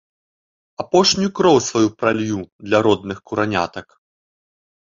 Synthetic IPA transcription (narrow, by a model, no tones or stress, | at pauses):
apɔʂnʲujukɾɔwsvajupɾalʲjud̪lʲɐɾɔd̪̚nɨxkuɾanʲa̰t̪ɐk